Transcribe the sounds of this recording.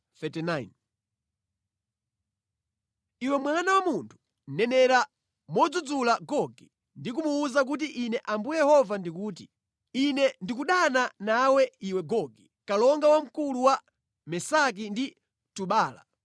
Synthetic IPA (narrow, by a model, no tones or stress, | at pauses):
θɛtɛnajn | iwɛmwanawamuntʰu̥ | n̩nɛnɛɾa | mɔd͡zud͡zulaɡɔɡi | ndik̬umuːzak̬ut̬iʔinɛʔambujɛhɔvandikuːt̬i | inɛndikuɗananawɛiwɛɡɔɡi | kalɔŋɡawam̩kuluwa | mɛsak̬indi | tuɓaːla̰